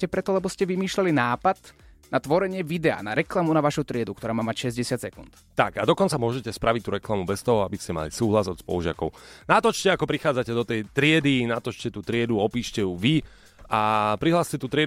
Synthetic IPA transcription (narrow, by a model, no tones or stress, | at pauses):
cɛpɾɛt̪ɔlɛbɔscɛʋimiːʃlalinaːpad̪ | nat̪ʋɔɾɛɲɪɛʋid̪ɛa̰ːnaɾɛklamunaʋaːʃut̪ɾɪɛd̪ukt̪ɔɾaːmaːmacʃɛzɟɛsɪat̪sɛkunt̪ | t̪akad̪ɔkɔnt͡samʊɔʒɛcɛspɾaʋic̚t̪uɾɛklamubɛst̪ɔɦɔabiscɛma̰lisuːɦlazɔt̪spɔ̰ʒɪa̰kɔʊnat̪ɔt͡ʃcɛakɔpɾixaːd͡zacɛd̪ɔt̪ɛjt̪ɾɪɛd̪inat̪ɔt͡ʃcɛt̪uːt̪ɾɪɛd̪uɔpiːʃcɛjuʋi | apɾiɦlaːscɛt̪uːt̪ɾɪɛ